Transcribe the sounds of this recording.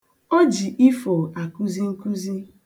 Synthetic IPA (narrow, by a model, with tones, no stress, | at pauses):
ɔ˦d͡ʒi˨ʔi˦fo˨a˨ku˦zi˦ŋ̩˦ku˦zi˦